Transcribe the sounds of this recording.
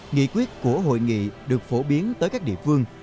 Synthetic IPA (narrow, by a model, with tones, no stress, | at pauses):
ŋḭ˧˨kwi˦˥ət̚ku˧˩əɦo̰˧˨jŋḭ˧˨ɗɨ˨˩ək̚fo˧˩ɓi˨˦ənt̪əː˨˦jkaː˦˥k̚ɗḭ˧˨əfɨ˧əŋ